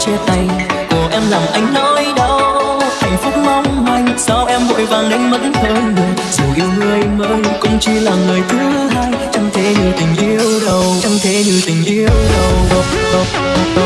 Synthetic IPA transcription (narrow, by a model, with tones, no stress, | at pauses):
t͡ɕi˧əa˨˧˩jko˨˩ʔɛ˧mlaː˨˩mʔa˧jŋ̟nɔ˧˦jɗə˧wt̪ʰa˨˩jŋ̟fʊ˦˥k͡p̚mɔ˧wŋ͡mha˧˩jŋ̟sa˧˦wʔɛ˧mvo̰˧˨jvaː˨˩ŋɗi˧˦ŋ̟mə̰˧˥nh̪ʰəː˧˩nɗɨ˨˩ŋ | zi˨˩wʔḭ˧˩wŋɨ˧əjmə̰ː˧˥nkʊ̰˧˥ŋ͡mt͡ɕi˧laː˨˩mŋəː˨˩jt̪ʰɨ˨˦haː˧jt͡ɕɔ˧wŋ͡mt̪ʰe˨˦ɲɨ˨˩t̪ï˨˩ŋ̟ʔi˧əwɗə˨˩wt͡ɕɔ˧wŋ͡mt̪ʰe˨˦ɲɨ˨˩t̪ï˨˩ŋ̟ʔi˧əwɗə˨˩w